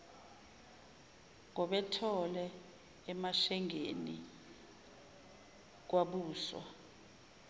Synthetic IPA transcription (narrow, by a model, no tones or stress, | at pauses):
ŋɔɓɛtʰɔlɛː | maʃɛŋeni | k̬waɓuːswa̰